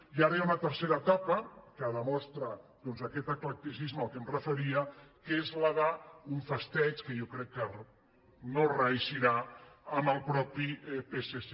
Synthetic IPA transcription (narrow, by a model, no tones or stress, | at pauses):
iaɾɐjaunət̪əɾseɾəːt̪apəkəðəmɔst̪ɾad̪ɔnzakɛt̪əklək̚t̪isizməːlˠkemrəfəɾiəkezlaðauɱfəst̪ɛt͡ʃkəjɔkɾɛkːə | norəiʃiɾaəməlˠpɾɔpipesese